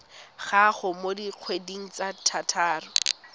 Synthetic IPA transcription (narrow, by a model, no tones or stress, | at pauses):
χaχʊmodiq͡χʰwediŋ̩t͡satʰatʰaːrʊ